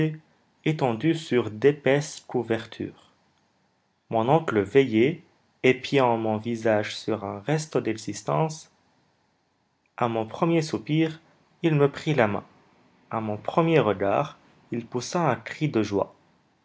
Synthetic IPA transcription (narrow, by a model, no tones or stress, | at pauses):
e | et̪ɑ̃d̪ysyʁd̪epɛskuvɛʁt̪ʰy̰ːʁ | mɔ̃nɔ̃kləveje | epjɑ̃mɔ̃vizaʒsyʁɛ̃ʁɛst̪od̪ɛɡzist̪ɑ̰̃s | amɔ̃pχəmjesupiːʁ | ilməpχilamɛ̰̃ | amɔ̃pχəmjeʁəɡa̰ːʁ | ilpusaɛ̃kχid̪əʒwa̰